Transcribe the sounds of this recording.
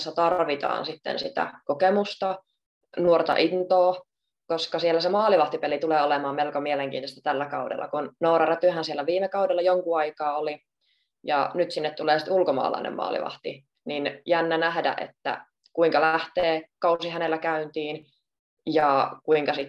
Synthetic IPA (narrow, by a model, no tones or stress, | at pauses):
sːæt̪ɑrʋit̪ɑ̰ːnsit̪ːḛnsit̪æ̰kokemust̪ɑ | nuort̪ɑ̰ʔint̪oː | koskɑsielːæsemɑːliʋɑht̪ipelit̪uleːolemɑːmmelkomieleŋkiːnost̪æt̪ælːækɑudḛlːʔɑ̰kunnoːɾɑræt̪yhænsielːæʋiːmekɑudelːɑjoŋkuɑikɑːoli | jɑ̰nyt̪sinːet̪t̪uleːsi̥t̪ulkomɑ̰ːlɑ̰inḛmmɑ̰ːlḭʋɑ̰ht̪i | ninjænːænæhdæ̰ʔḛt̪ːæ̰ | kuiŋkɑlæht̪eːkɑusihænelːækæynt̪iːn | jɑkuiŋkɑsit̪